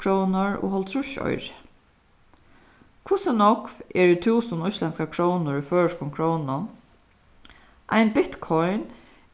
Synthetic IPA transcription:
kʰɾownaɹɔ̰hɔlt̪ʰɾʊʃɔ̰jɾɪ | kʰʊsɪnɔkvɛɹɪt̪ʰuːsənʊjslɛnskakʰɾownʊɹifœːɹʂkʊmkʰɹownʊ | ʔa̰jnbɪt̪kʰɔjn

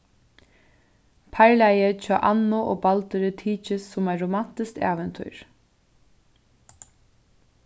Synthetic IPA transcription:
pʰæɹlæjət͡ʃʰɔːʔɑ̰nʊʔo̰ːbalt̪ʏɾɪt̪ʰiːt͡ʃɪsːʊmæɹʊman̥t̪ɪskt̪æ̰ːʋɛnt̪ʰṵːɹ

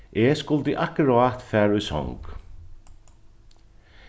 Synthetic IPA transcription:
eskʊlt̪əʔahkɾaːt̪fɛːɾujsɔ̰ŋk

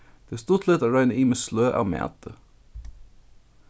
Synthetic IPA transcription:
d̪̥eːst̪ʊt̪lɛt̪æɹœɪnəiːmeːsløːʔɑ̰ːmæ̰ːt̪ə

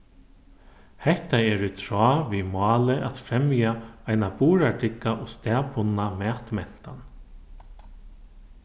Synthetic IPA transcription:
hɛht̪aɛːɾʏt̪ʰɾɔːvimɑːlɪʔat̪fɾɛmjaajnapuːɾaʈɪkːaʔɔɣst̪ɛːpʊnːamɛːt̪mɛn̥t̪an

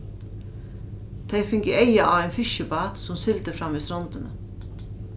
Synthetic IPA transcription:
t̪ʰeɪfɪŋkəeɪɑʔɑːʋæɪnfɪʃəbɑːt̪sɔmsɪlt̪əfɾɑmːiːst̪ɾɔnt̪ənə̰

